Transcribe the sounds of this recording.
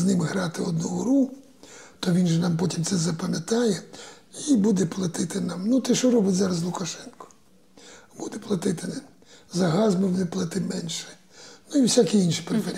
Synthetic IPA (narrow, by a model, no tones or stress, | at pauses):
znɪmɣɾɑt̪ɪɔd̪nuɦʊɾu | t̪ɔʋʲinʒɛnɑmpɔtʲimt̪sɛzɐpɐmʲet̪ɑjɛ | ibud̪ɛplˠɐt̪ɪt̪ɪnɑmnut̪ɛʃt͡ʃɔɾɔbɪtʲzɑɾɐzlˠʊkɐʃɛnkɔ̥ | b̥ud̪ɛplˠɐt̪ɪt̪ɪ | zɐɦɑzmɔʋnɪplˠɐt̪ɪmɛnʲʃɛ̥ | nuiwsʲakʲiinʃipɾefeɾʲ